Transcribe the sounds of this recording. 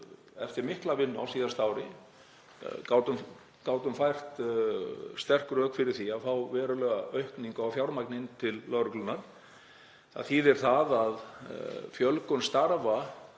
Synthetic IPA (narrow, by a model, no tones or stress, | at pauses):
ɛ̰ft̪ɪɾmɪhklavɪnːa̰wsiːðast̪aːwɾɪ | kaːwt̪ʏm | kaːwt̪ʏmfajr̥t̪ | st̪ɛr̥kɾœːkfɪɾɪɾ̥θiaðfawvɛːɾʏlœːɣaœɥhkniŋkaawfjawɾmajknɪnt̪ʰɪlːœɾʏklʏnːaɾ̥ | a̰ðθiːðɛɾ̥θaðað | fjœlkʏnst̪aɾva